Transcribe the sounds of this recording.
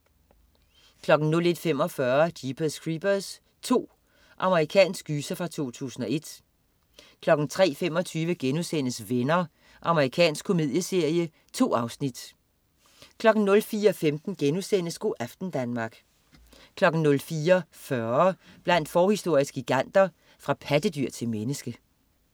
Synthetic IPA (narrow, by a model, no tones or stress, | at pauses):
kʰlɒ̽ɡ̥n̩nɔ̽le̝d̥fem̰ɒ̽fɶɐd̥ib̥ʰəðsɡ̥ʁib̥ɐðs | t͡sʰo̝̰ː | ʔɑ̈məʁikʰɛ̰ːnsɡ̥yːsɐfʁɑ̈t͡sʰo̝̰ːt͡sʰṵːsn̩ɒ̽e̝d̥ | kʰlɒ̽ɡ̥n̩t͡sʰʁɛ̰ːfem̰ɒ̽t͡sʰyːʋəɡ̥enusen̰əsʋenɐ | ʔɑ̈məʁikʰɛ̰ːnsɡ̥kʰːo̝mið̰ˠjəse̝ɐ̰jə | t͡sʰo̝̰ːɑ̈ʊsnid̥ | kʰlɒ̽ɡ̥n̩nɔ̽lfiːɐɒfemd̥n̩ɡ̥enusen̰əsɡ̥o̝ʔæfd̥n̩d̥ænmɑ̈ɡ̥ | kʰlɒ̽ɡ̥n̩nɔ̽lfiːɐfɶɐ | b̥læn̰d̥fɒːhisd̥o̝ɐ̰isɡ̥iɡ̥æn̰d̥ɐ | fʁɑ̈pʰæd̥əd̥yɐ̰t͡sʰe̝lmenəsɡ̥ə